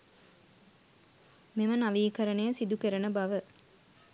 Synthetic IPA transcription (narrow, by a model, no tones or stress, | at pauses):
memənɐʋiːkɐɾɐnejəsid̪ukeɾɐnəbɐʋə